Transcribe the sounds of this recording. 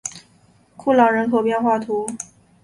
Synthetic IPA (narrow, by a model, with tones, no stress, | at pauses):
kʰu˥˩lɑ˨˩ŋɻə˧˥nkʰo˨˩ʊpjɛ˥˧nxwa˥˩t̪ʰu˧˥